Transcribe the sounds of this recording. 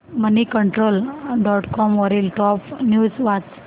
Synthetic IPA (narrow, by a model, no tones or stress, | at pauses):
mənikəɳʈɾoːlɖɔʈkɔmʋɔɾilʈɔpnjuːd͡zʋat͡s